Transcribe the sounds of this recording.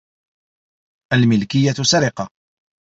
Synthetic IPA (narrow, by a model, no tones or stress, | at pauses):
ʔalmɪlkɪjːat̪saɾɪqɑ